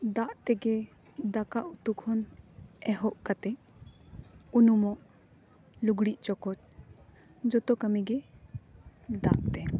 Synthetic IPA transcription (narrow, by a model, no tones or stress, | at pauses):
d̪aʔt̪ɛɡɛ | d̪akaʔut̪ukʰɔnɛɦɔʔkat̪ɛ | unumɔʔ | luɡɽiʔt͡ʃɔkɔt̪̚ | d͡ʒɔt̪ɔkəmiɡɛ | d̪a̰ʔt̪ɛ